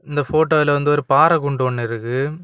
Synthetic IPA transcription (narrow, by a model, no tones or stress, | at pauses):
ɪnd̪ɐfoːʈːoːɪlɐʋɐnd̪ɯɔɾɯpaːɾɐkʊɳɖoɔɳːɪɾɯkːɯ